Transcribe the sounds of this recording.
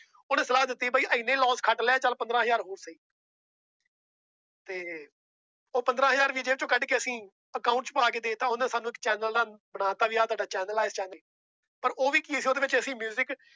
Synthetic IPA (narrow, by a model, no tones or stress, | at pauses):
oːnẽːsəlaːɦd̪ɪt̪ːiːbaːiːʔəɪnːẽːlɔːskʰəʈlɛaːt͡ʃəlpənd̪ɾãːɦəzaːɾɦoːɾsiː | t̪eː | oːpənd̪ɾãːɦəzaːɾʋiːd͡ʒeːʋt͡ʃõːkəɖkeːəsĩː | əkaːʊ̃ɳʈt͡ʃpaːkeːd̪eːt̪ãːʊnãːsaːnːũːɪkt͡ʃɛːnəld̪aːbəɽaːt̪aːʋiːaːt̪ʊaːɖaːt͡ʃɛːnəlaːɪst͡ʃɛːnəː | pəɾoːʋiːkiːsiːoːd̪eːʋɪt͡ʃəsĩːmjuːzɪk